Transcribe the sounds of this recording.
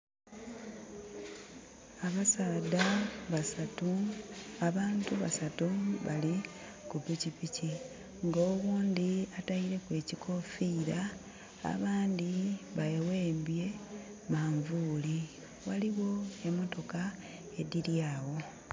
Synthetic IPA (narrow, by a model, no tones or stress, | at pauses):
aβasaːdaβasatu | aβaːntuβasatuβali | kuβicipici | ŋɡoːɣuːnd̪iataiɾe̞kwe̞ːcikʰo̞fiːɾa | a̰βaːnd̪iβajewe̞ːmbje̞ | maɱvuːli | waliɣo̞e̞mo̞to̞ka | e̞diɾjaːwo̞